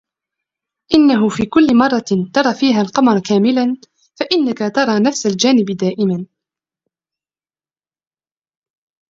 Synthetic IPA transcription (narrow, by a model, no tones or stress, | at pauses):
ʔɪnːaɦʊfiːkʊlːmɑrˤːɑt̪ɑɾˤɑːfiːɦalqɑmɑɾˤkaːmɪlan | faʔɪnːakat̪ɑɾˤɑːnafsald͡ʒaːnɪbd̪aːʔɪman